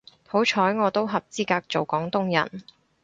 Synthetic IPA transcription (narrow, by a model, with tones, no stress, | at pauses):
ho˨˥wt͡ʃʰɔː˨˥jŋɔː˨˧t̪o˥wɦɐ˨p̚t͡siː˥kaː˧k̚t͡so˨wkɔː˨˥ŋt̪ʊ˥ŋjɐ̰˨˩n